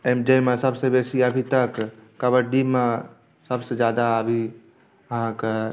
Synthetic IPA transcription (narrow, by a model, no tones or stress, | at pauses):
emd͡ʒemesəbsebesiəbʱit̪əkː | əbəɾɖ̪ime | səbsed͡ʒjad̪aəbʱi | əɦãke